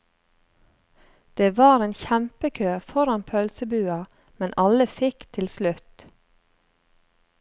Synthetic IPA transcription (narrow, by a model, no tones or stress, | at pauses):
d̪̥eːʋɑːɾeːnçæmpəkʰøːfɔɾɑnpʰœlsəbʉːɑ | mɛnʔɑləfɪkt̪ʰɪlslʉt̪